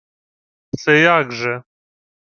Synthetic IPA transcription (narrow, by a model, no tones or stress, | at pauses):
sɛjaɡʐɛ